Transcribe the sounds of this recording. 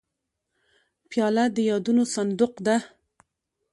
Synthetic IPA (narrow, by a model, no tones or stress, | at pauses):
pjɑlad̪əjɑd̪unosand̪ʊqd̪a